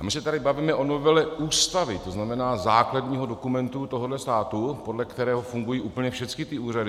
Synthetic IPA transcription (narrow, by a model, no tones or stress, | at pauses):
amɪsɛt̪adɪbaviːmɛʔo̞novɛlɛʔuːst̪avɪt̪o̞znamɛnaːzaːkladɲiːɦo̞do̞kumɛnt̪ut̪o̞ɦodlɛst̪aːt̪upo̞dlɛkt̪ɛɾɛːɦo̞fuŋɡujiːʔuːpəɲɛfʃɛt͡skɪt̪ɪuːradɪ